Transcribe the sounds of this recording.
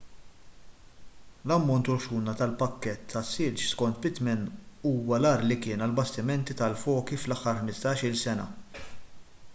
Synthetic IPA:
lɐmːɔnt̪ʊɾʃuːnɐt̪ɐlpɐkːɛt̪ʰːɐsːɪɾt͡ʃskɔnt̪bɪt̪mɛnuːwɐlɐːɾlikɪːnɐlbɐst̪ɪmɛnt̪it̪ɐlfɔːkiflɐħːɐɾħmɪst̪ɐːʃɪlsɛnɐ̰

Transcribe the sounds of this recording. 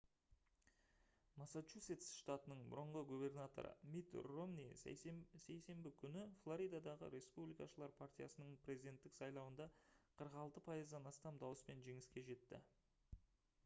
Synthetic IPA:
masat͡ʃuse̞t̪sʃt̪at̪ənəɴbʊ̰ɾəɴʁəɡube̞rnat̪o̞̰ɾə̰mit̪romni | se̞jse̞mbɪkʲʰʏnɪflˠoɾijd̪ad̪ɑʁə̰ɾe̞spublijkɑʃəlˠɑɾpʰart̪ʲijasənəɴpʰɾʲe̞zijd̪e̞nt̪ːɪksɑjlˠɑwənd̪ɑqʰəɾəqɑlˠt̪əpʰɑjəzd̪ɑnɑst̪ɑmd̪ɑwəspe̞nʒe̞ŋɪskʲe̞ʒe̞t̪ːɪ̰

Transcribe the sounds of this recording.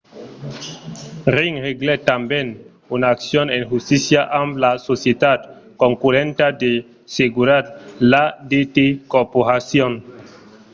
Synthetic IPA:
ɾiŋheɡlet̪amben | unaːksjonenxust̪isjaʔamplasosjet̪at̪ | koŋkuɾent̪ad̪e | seɡuɾatlad̪et̪ekoɾpoɾasjon

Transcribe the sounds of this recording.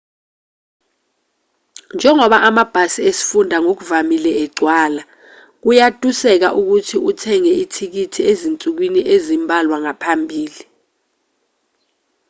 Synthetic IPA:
nd͡ʒʱɛŋɔɓaʔamab̥ʱasiesi̥fundʱaŋok̬uvamilɛɛɡ͡ǀʱwaːla | k̬ujatʼusɛk̬aʔuk̬utʰiutʰɛŋɛitʰik̬itʰiezint͡sʼuk̬winiʔezimbʱalwaŋapʰambʱiːli

